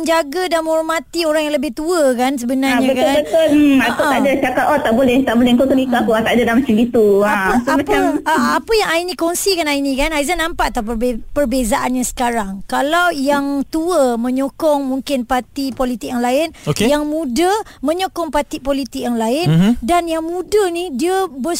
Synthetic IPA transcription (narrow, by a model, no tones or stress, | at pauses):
əɲd͡ʒaɡədanmə̃ɦɔrmãt̪ioɾaŋjaŋləbɪht̪uəkans̬əbənaɲãəkanbət̪ʊl̩akoaadat͡ʃakat̪ot̪aʔbolɛht̪aʔbolɛhŋkok̪ənikaakuat̪aʔdadamasimɡit̪uaəsamapaaapəjaŋainĩkɔŋsikanainĩkanajzanːãmpaʔat̪awppərbezaʔanɲasə̥kaɾaŋkalawjaŋt̪uəmə̃ɲɔkɔŋmũŋkɪnpat̪ipolit̪ɪk̚jaŋlaɪnokejaŋmũdəmə̃ɲokɔŋpat̪ipolit̪ɪk̚jaŋlaɪndanjaŋmũdənidiəbə